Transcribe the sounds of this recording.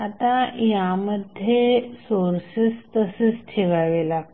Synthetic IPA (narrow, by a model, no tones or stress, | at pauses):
at̪ajaməd̪ʱjesoɾsist̪əsesʈʰeʋaʋela